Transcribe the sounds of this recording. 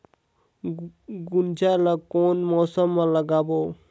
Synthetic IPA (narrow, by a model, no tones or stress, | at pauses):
ɡʊnd͡ʒalakoːnmɔːsəmːãləɡaːboː